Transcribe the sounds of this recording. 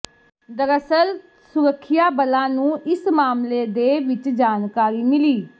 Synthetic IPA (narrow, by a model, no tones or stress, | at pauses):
d̪əɾəsəl | sʊɾəkʰːɪjaːbəlãːnũːʔɪsmaːmleːd̪eːʋɪt͡ʃd͡ʒaːnkaːɾiːmɪliː